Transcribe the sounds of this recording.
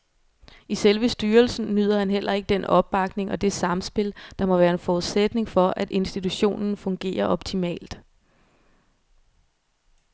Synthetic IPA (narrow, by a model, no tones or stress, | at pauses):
iselʋəsd̥yːɐlsn̩nyð̞ˠɐhænɦel̰ɐe̝ɡ̥̚əd̥enɒ̽b̥̚ːɑ̈ɡ̥ne̝ŋɒ̽d̥e̝sɑ̈msb̥e̝ld̥ɑ̈mɒ̽ʋæːɐe̝nfɒuðˠsed̥ne̝ŋfɒ̽ʔæd̥e̝nsd̥it͡sʰuɕo̝̰ːnn̩fɔ̽ŋɡ̥e̝̰ːɐʔɒ̽b̥̚t͡sʰimɛ̰ːld̥